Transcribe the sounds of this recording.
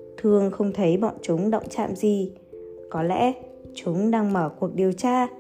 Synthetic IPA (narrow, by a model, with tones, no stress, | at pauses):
t̪ʰɨ˨˩əŋxə˧wŋ͡mt̪ʰə˨˦jɓɔ̰˧˨nt͡ɕʊ˨˦ŋ͡mɗə̰˧˨wŋ͡mt͡ɕa̰ː˧˨mzi˨˩ | kɔ˨˦lɛ̰˧˥ | t͡ɕʊ˨˦ŋ͡mɗaː˧ŋməː˧˩ku˨˩ək̚ɗi˨˩əwt͡ɕaː˧